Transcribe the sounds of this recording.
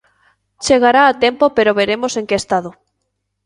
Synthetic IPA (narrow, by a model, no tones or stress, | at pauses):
t͡ʃeɣaɾaːt̪empopeɾoβeɾemoseŋkeest̪aðʊ